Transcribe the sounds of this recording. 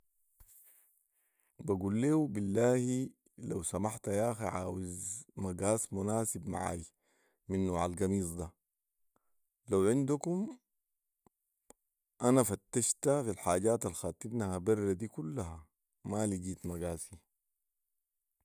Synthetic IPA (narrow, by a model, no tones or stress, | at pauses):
baɡuːlːeːubilːaːhi | lawsamaħt̪ajaːxiʕaːwizmaɡaːsmunaːsibma̰ʕa̰ːji | minːoːʕalɡamiːsˤd̪a | lawʕind̪ukum | ʔanafat̪ːaʃt̪afilħaːɟaːt̪alxaːt̪inahabarːad̪iːkulːaɦa | maliɟiːt̪maɡaːsi